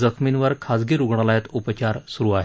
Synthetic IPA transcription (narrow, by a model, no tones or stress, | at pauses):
d͡zəkʰminʋəɾkʰad͡zɡeɾuɡɳ̃alajat̪upət͡ɕaɾsuɾuːaɦe